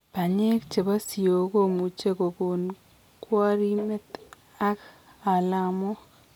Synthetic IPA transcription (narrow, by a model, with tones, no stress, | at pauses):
pa˨ɲe˦kt͡ʃe˨ba˦si˨o˨ko˦mu˨t͡ʃe˦ko˨ko˨n | kwa˦ɾi˦mɛ˦t̪ | a˦k | a˨la˨mo˦